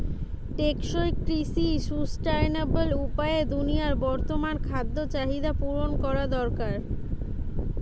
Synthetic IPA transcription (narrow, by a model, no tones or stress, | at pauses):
ʈekʃojkɾisiʃusʈajnabelupaed̪unijaɾbɔɾt̪omankʰad̪ːot͡ɕaɦid̪apuɾonkɔɾad̪ɔɾkaɾ